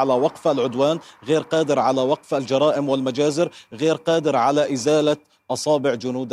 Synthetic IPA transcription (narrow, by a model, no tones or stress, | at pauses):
alawɑqfalʕʊd̪waːnɣeːɾqɑːd̪ɪɾʕalawɑqfald͡ʒɑɾˤɑːʔɪmwɪlmad͡ʒaːzɪɾɣeːɾqɑːd̪ɪɾʕalaʔɪzaːla | ʔɑsˤɑːbɪʕd͡ʒʊnuːd̪